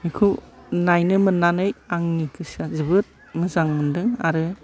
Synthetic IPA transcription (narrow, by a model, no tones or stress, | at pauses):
ikʰunajnɯmɯnːanɯjaŋnikʰɯsazɯbɯt̚ | ŋɯzaŋɯndɯŋa̰ɾɯ